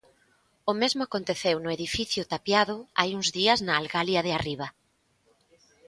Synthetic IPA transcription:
ʊmezmʊakont̪eθewnʊeðifiθjʊt̪apjaðʊajuŋzðiɐznaːlɣaljɐðɪariβ̞ɐ

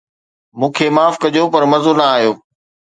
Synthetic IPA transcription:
mũːkʰeːmaːfkɐʄopɐɾmɐzonɐaːɦijoː

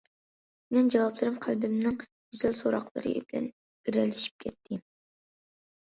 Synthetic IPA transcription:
mɛnd͡ʒɑwɑplˠɨɾɨmqʰælbɪmnɪŋɡ̥yz̥ɛlsoɾɑ̰qlˠɨ̰ɾɨ̰bɪlɛ̰n | ɡiɾɛlɪʃi̥p̚kʲʰɛt̪ʰːɪ

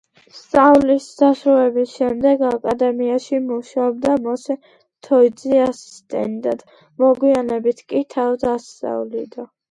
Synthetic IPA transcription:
st̪sʼavlisd̪asɾuɛbisʃɛmd̪ɛɡakʼad̪ɛmiaʃimuʃaɔbd̪amɔsɛ | t̪ʰɔid̪ziasi̥st̪ʼɛ̰nd̪ad̪̥ | mɔɡwianɛbit̪ʰkʼit̪ʰavd̪ast̪sʼa̰vlḭd̪a

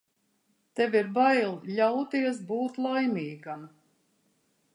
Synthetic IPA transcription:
t̪ɛviɾbajlˠlawt̪iɛs̬buːt̪lˠajmʲiːɡam

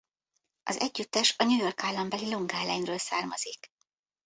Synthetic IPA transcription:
ʔɒzɛɟːyt̪ːɛʃɒɲujo̞rkaːlːɒmbɛliloŋɡaːlɛɲrøːlsaːrmɒzik

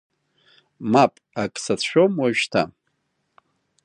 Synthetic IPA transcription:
mapʼakʼsatʰʃʷᶣomwaʒᶣtʰa

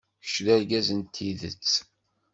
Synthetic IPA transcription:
ə̥ʃɾæɾɡæzənt̪ʰiðə̰t͡sː

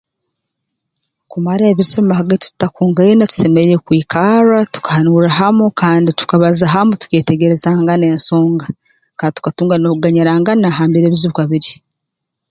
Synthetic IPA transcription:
kumaɾeːβizemumahaɡetu̥takuːŋɡainatu̥se̞meɾeɾekwiːkʰaɾatu̥kḁhanuɾaɦamukʰaːnditu̥kaβazaɦamutu̥ke̞ːte̞ɡe̞ɾe̞zaːŋɡane̞ːnso̞ːŋɡa | kaːndit̪u̥katuːŋɡanouɡaɲiɾaŋɡanaɦaːmbeɾeːβizuβukaβiɾi

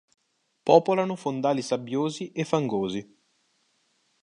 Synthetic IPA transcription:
pɔːpolanʊfond̪aːlisabːjoːziʔefːaŋɡoːzi

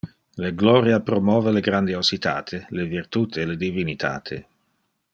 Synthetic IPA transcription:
leɡlɔɾjapɾomɔːveleɡɾand̪iosit̪a̰ːt̪ʰelevirt̪ut̪ʰeled̪ivinit̪ʰa̰ːt̪ʰḛ

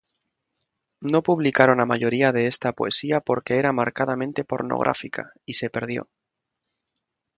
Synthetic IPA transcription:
no̞puβlikaɾo̞namaʝo̞ɾiaðe̞est̪apoe̞̰siapo̞ɾke̞eɾamaɾkaðamẽnt̪e̞po̞ɾno̰ɣ̞ɾʔa̰fika̰ | ise̞pe̞ɾð̞jo̞̰

